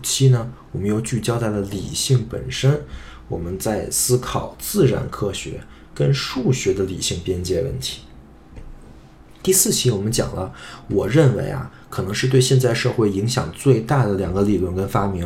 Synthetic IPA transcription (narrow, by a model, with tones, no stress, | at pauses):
t͡ɕʰi˥nə˨wɔ˨˩mə˦njo˧˩ʊt͡ɕy˥˩t͡ɕjɑ˥ʊt̪a˥˩ɪlə˩li˨˩ɕi˥˩ŋpə̰˨˩nʂə˥nwɔ̰˨˩mə˦nt͡sa˥˩ɪsɹ̩˥kʰɑ˨˩˦ʊt͡sɹ̩˥˩ɻa̰˧˥nkʰɤ˥ɕɥɛ̰˧˥ | kə˥nʂu˥˩ɕɥɛ˧˥d̪ə˧lḭ˨˩ɕi˥˩ŋpjɛ˥nt͡ɕjɛ˥wə̰˥˩nt̪ʰi̥˧˥ | t̪i˥˧sɹ̩˥˩t͡ɕʰi˧˥wɔ˨˩mə˦nt͡ɕjɑ̰˨˩ŋlə˦wɔ˨˩ɻə˥˩nwḛ˧˥ɪa̰˧ | kʰɤ˨˩nɤ˧˥ŋʂɻ̩˥˧t̪we˥˧ɪɕjɛ˥˧nt͡sa˥˧ɪʂɤ˥˧xwe˥˩ɪi˧˥ŋɕjɑ̰˨˩ŋt͡swe˥˧ɪt̪a˥˩d̪ə˩ljɑ˨˩ŋɡə˦li˨˩lwə˥˩nkə˥nfa˥mi˧˥